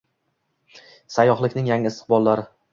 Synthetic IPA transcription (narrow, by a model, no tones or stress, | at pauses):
sajɒχlˠɪkʲnɪŋjaŋɪɪst̪ɪ̥qbɒlˠːaɾɪ